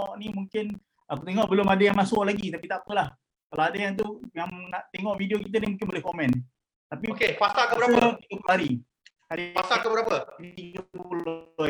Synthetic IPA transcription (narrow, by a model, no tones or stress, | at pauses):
ɔʔnimuŋkɪn | akut̪eŋɔʔbəlʊmadajaŋmasʊʔlaɡit̪apit̪aʔpəlah | kalaadajaŋt̪̬ujaŋnaʔt̪eŋɔʔvidiokit̪ənimuŋkɪnbolɛhkomɛ̃n | t̪apikekuasakəbəɾaəikupɦaɾi | haɾiasakəbəɾapəikbulɔ